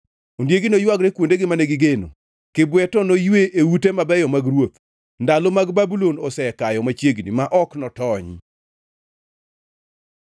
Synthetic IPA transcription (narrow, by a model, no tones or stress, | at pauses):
ondjeɡinojwaɡɾekwondeɡɪmaneɡɪɡeno̰ | kɪbwɛtɔnojweʔeutemabɛjɔmaɡɾwot̪ | ndalɔmaɡbabulonɔsɛkajɔmat͡ʃjeɡnḭmaʔɔknɔtɔɲ